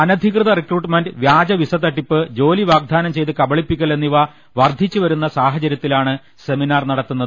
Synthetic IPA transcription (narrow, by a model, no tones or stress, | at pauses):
ɐnɐd̪ʱikrɨðɐrekruːʈːɨmenɖɨʋjaːd͡ʑɐʋisɐt̪ːɐʈːipːɨd͡ʑo̞ːliʋaːɡ̚d̪ʱaːnɐmt͡ɕe̞jt̪ɨkɐbɐɭipːikʲːɐɭe̞nːiʋa | ʋɐrd̪ʱit͡ɕːɨʋɐɾunːɐsaːɦɐt͡ɕɐɾjɐt̪ːilaːɳɨ | se̞minaːrnɐɽɐt̪ːunːɐðɨ